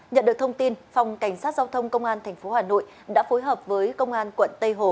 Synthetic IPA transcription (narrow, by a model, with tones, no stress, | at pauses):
ɲə̰˧˨nɗɨ˨˩ək̚t̪ʰə˧ŋ͡mt̪i˧nfa˨˩wŋ͡mka˧˩jŋ̟saː˦˥t̚zaː˧wt̪ʰə˧wŋ͡mkə˧wŋ͡mʔaː˧nt̪ʰɛ˨˩jŋ̟fo˨˦haː˨˩no̰˧˨j | ɗa̰ː˧˥fo˨˦jɦəː˨˩p̚vəː˨˦jkə˧wŋ͡mʔaː˧nkwə̰˧˨nt̪ə˧jɦo˨˩